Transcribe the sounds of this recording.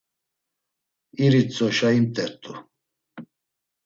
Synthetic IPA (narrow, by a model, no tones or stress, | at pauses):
iɾit͡sʼɔʃaimt̪ʼɛɾt̪ʼu